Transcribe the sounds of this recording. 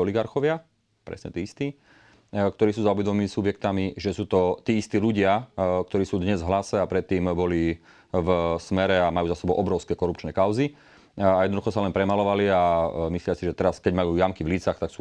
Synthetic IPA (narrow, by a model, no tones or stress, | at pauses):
ɔliɡaɾxɔʋɪa | pɾɛ̰sɲɛt̪iːist̪iː | kt̪ɔɾiːsuːzauʋɛd̪ɔmmimisubjɛk̚t̪amiʒɛsuːt̪ɔt̪iːist̪iːluɟɪak̚t̪ɔɾiːsuːd̪ɲɛzvɦlasɛapɾɛt̪ːiːmbɔli | vsmɛɾɛamajuːzasɛbɔʊʔɔbɾɔʊskɛkɔɾupt͡ʃnɛkaʊzi | ajɛd̪nɔd̪uxɔsalɛnpɾɛmalɔʋaliamislɪasiʒɛt̪ɛɾaskɛɟmajuːjamkivliːt͡saxt̪aksuː